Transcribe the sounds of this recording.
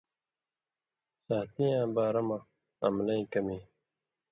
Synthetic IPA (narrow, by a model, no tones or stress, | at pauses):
saːt̪ijãːbaːɾɐma | ɐ̰mlɐĩkɐmi